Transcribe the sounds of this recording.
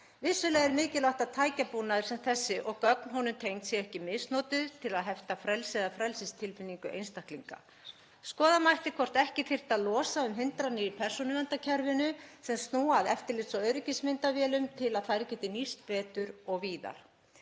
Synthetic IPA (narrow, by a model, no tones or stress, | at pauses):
vɪsːʏlɛɣɛɾmɪːcɪlawht̪aðt̪ʰaːjcapunaðʏɾ̥sɛmθɛsːɪʔɔɣkœk̚nɦɔnʏmt̪ʰejŋt̪sjɛɣɛhcɪmɪsnoːt̪ʏðt̪ʰɪlaðɦɛft̪afɾɛlsɪðafɾɛlsɪst̪ʰɪlfɪnːiŋkʏʔḛjnst̪ahkliŋka̰ | skɔːðamajht̪ɪkʰɔr̥t̪ɛhcɪθɪr̥t̪aðlɔːsaʏmɦɪnt̪ɾanːɪipʰɛr̥sɔnʏvɛnt̪acʰɛɾvɪnʏsɛmst̪nuːaðɛ̰ft̪ɪɾlɪt̪sɔœɥɾɪcɪsmɪnt̪avjɛːlʏmt̪ʰɪlaðθaðɾcɛːt̪ɪnist̪̚pɛːt̪ʏɾɔɣviːða̰ɾ̥